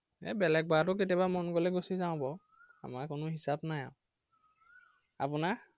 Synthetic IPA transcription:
ɛ̰bɛlɛk̚batʊk̬etjabamɔnkolɛɡosizaʊ̃bɔ | a̰maɹkʊnʊɦisabnaja̰ʊ̃ | a̰pʊnaɹ

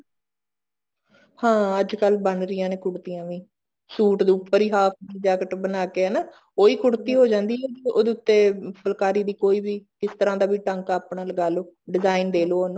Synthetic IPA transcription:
hãːəd͡ʒkəlbənɾɪjãːneːkʊɽt̪ijãːʋĩː | suːʈd̪ːʊpːəɾiːɦaːpʰd̪iːd͡ʒaːkəʈbənaːkeːɛːnaː | oːiːkʊɽt̪iːɦoːd͡ʒãːnd̪iːɦɛd͡ʒo̰ːd̪eːʊt̪ːeːpəlkaːɾiːd̪iːkoːiːbiːkɪst̪əɾãːd̪aːbiːʈəŋkaːpɳaːləɡaːloːɖɪzaːind̪eːloːnõ

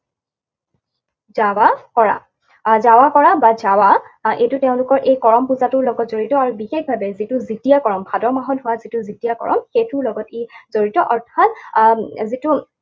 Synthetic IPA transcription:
zawakɔɹa̰ | zawakɔɹabazawaejtʊteʊ̃lʊkɔɹʔejkɔɹɔmpuzatʊɹlɔɡɔtzoɹitɔaɹubixexbʱabɛzitʊzitijakɔɹɔmbʱadɔɹmaɦɔtɦʊwazitʊzitijakɔ̰ɹɔ̰mxetʊɹlɔɡɔtezoɹitɔʔɔɹtʰat̚ | zitʊ

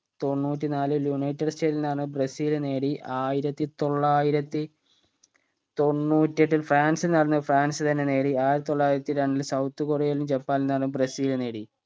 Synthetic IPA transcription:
t̪o̞nːuːt̬ʲːinaːlɨljunɐjtːɐrst͡ɕeːðilnaːɳɨbrɐsiːlne̞ːɽiʔaːjiɾɐt̪ːit̪o̞ɭːaːjiɾɐt̪ːi | t̪o̞nːuːtːeʈːilfraːnsilnɐɽɐnːɨfraːnsɨt̪ɐnːe̞ne̞ːɽiaːjɾit̪ːoɭːaːjiɾɐt̪ːiɾeɳɖilsɐwt̪ːɨkorejɐɐlumd͡ʑepːaːnilnɐɽɐnːɨbrɐsiːlne̞ːɽi

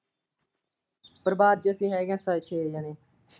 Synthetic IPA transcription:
pəɾbaːd̪̚d͡ʒəsĩːɦɛːɡɛ̃ːsat͡ʃʰeːjaːneː

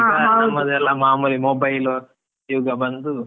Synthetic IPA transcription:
aɐmɐd̪ɛlːɐmaːmuːlimobɐjlo | juːɡɐbɐnd̪u

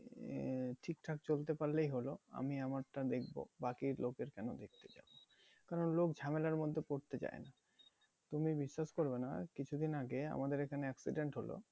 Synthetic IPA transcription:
ʈʰikʈʰakt͡ɕolt̪̬epaɾlejɦoloa̰miamaɾʈad̪ek̚ʰbo̰bakiɾlokeɾkɛnod̪ek̚ʰt̪e̥d͡ʑa̰bo | kaɾonlokd͡ʑʱamelaɾmod̪ʱːepoɾt̪et͡ɕa̰ḛna | t̪umibiʃːaʃkoɾbena̰kit͡ɕʰud̪inaɡea̰mad̪eɾekʰaneɛksḭɖeɳʈɦolo̰

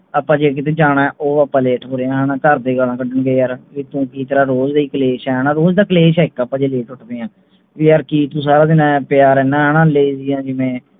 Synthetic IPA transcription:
aːpːãːd͡ʒeːk̬ɪt̪̬eːd͡ʒaːɽaːɛːʔoːaːpãːleːʈʰɦoːɾeːãːɦaːnãːkəɾd̪eːɡəlãːkəɖəɳɡeiːjaːɾʋiːt̪õːkiːt̪əɾaːɾoːd͡ʒd̪aiːkəleːʃɛːɦəːnãːɾoːd͡ʒd̪aːkəleːʃɛːɪkːaːpãːd͡ʒeːleːʈʊʈʰbẽːãː | ʋiːjaːɾkiːt̪ũːs̬aːɾaːd̪ɪnãːpɪjaːɾɛːnãːɦəːnãːleːizijãːd͡ʒɪʋẽː

